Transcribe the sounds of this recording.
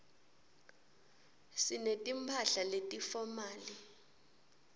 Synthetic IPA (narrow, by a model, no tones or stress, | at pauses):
sinetʼimpʰaɬaletʼifɔmaːli